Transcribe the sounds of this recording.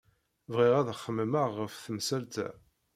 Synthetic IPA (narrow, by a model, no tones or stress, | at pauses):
vʁiʁæðχːəmːəməʁːəfθəmsælt̪æ̰